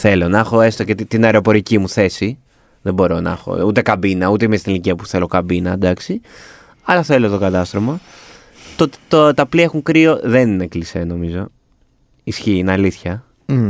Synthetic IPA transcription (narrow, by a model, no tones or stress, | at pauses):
θe̞lo̞nɐxo̞est̪ocet̪it̪inɐeɾo̞po̞ɾicimuθe̞si | ðebo̞ɾo̞nɐ̰xo̞̰ut̪e̞kɐbinɐut̪eimest̪iniliciɐpu̥θe̞lo̞kɐbinɐd̪ɐksi | ɐlɐθe̞lot̪o̞kɐt̪ɐst̪ɾomɐ | t̪ot̪e̥t̪ot̪ɐpliexuŋkɾio̞ðe̞ninekliseno̞mizo̞ | isçiinɐliθçɐ